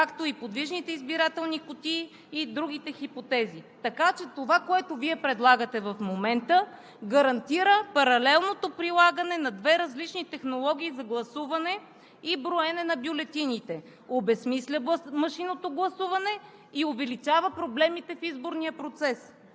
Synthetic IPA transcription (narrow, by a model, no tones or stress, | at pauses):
kakt̪oipod̪viʒnit̪ɛizbiɾat̪ɛlˠnikot̪iː | d̪ɾuɡit̪ɛxipot̪ɛzit̪ɐkat͡ʃɛt̪ovakoɛt̪oviɛpɾɛd̪lˠaɡət̪ɛvɐfmomɛnt̪ə | ɡɐɾɐnt̪iɾəpɐɾɐlɛlˠnot̪opɾilˠaɡənɛnɐd̪vɛɾɐzlit͡ʃnit̪ɛxnolˠɔɡ̟ʲiːzɐɡlˠɐsuvɐnɛ | ibɾoɛnɛnɐbjolɛt̪init̪ɛ | obɛsmislʲəmɐʃinot̪oɡlˠɐsuvɐnɛ | iovɛlit͡ʃavəpɾoblɛmit̪ɛfizboɾniəpɾot̪sɛs